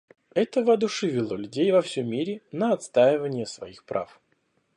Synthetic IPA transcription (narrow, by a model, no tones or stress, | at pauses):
ɛt̪əvəɐd̪ʊʂɨvʲɪlˠolʲʉdʲejvɐfsʲɵmʲːiɾʲɪnəɐt̪st̪ajɪvənʲɪjəsvɐ̰ixpɾʔa̰f